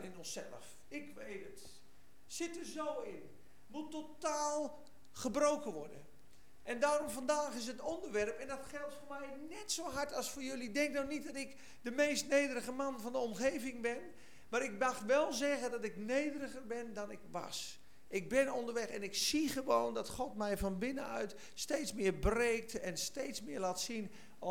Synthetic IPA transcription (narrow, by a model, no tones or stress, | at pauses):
ɪnɔnsɛ̰lˠə̰f | ɪkʋeːtət | sɪtərzoːɪn | mutːotaːlˠ | χəbrowkəʋɔɹdə̰n | ʔɛndaːromfandaːxɪs̬ətondərʋɛrpɛndɔtxɛlˠtfoːrmɛjnɛtsoːɦaɹtɔsfoːɹjɵlidɛŋk̚downit̚dɔtɪk | dəmejstnejdərəɣəmanfɔndəɔmχejvɪŋbɪn | maːɾɪk̚daxtʋɛlˠzɛɣədɔtɪknejdərəɣərbɪndɔnɪkʋa̰s | ʔɪk̚bɪnondəɹʋɛxɛnɪksiχəʋowndɔtχɔtmɛjfɔnbɪnəœɥt | steːtsmɪərbreːk̚tɛnsteːtsmɪːlaːtsin